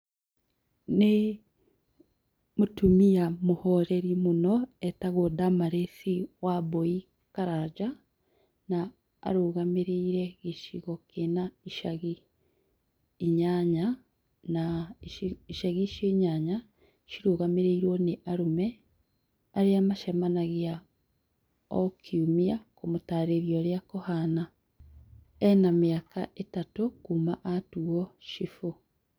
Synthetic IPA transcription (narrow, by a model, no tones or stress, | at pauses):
ne | motumijamohɔɾeɾimonɔɛtaɣodamaɾeθiwabɔi | kaɾad͡ʒa | na̰ː | ɾoːɣameɾeiɾɛɣeʃiɣɔkenaiʃaɣi | ɲaɲa | na | iʃaɣiʃoiɲaɲa | ʃiɾuːɣamiɾiːɾwoniʔaɾume | aɾiamaʃamanaɣja | okʰiumiakumutaːɾeɾjoɾjakohana | enamiakaʔetatukumaʔatuoʃifu